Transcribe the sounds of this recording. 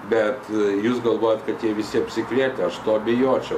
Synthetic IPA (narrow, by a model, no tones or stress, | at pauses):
bʲɛt̪juːsɡɐlˠʋoːjɛt̪kɐt̪t̪ʲiɛʋʲɪsʲɪɐpʲsʲɪkʋʲiɛt̪ʲɛɐʃt̪oːɐbʲɪjoːt͡ʃʲɛʊ